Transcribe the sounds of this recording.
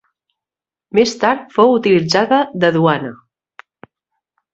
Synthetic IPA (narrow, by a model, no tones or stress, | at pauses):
mest̪aɾt̪fowut̪ilid͡zaðəðəðuanə